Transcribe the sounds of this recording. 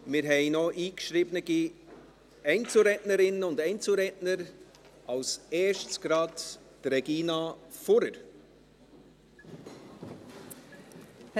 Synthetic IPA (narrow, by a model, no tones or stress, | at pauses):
mɪɾɦɛɪnɔʔiːkʃɾibnəɡi | ɛɪnt͡sl̩ɾɛtnəɾɪnənʊndɛɪnt͡sl̩ɾɛtnəɾ | ʔɑlsɛːʃtsɡ̥ɾɑt | tɾɛɡ̥iːnɑfɔɾəɾ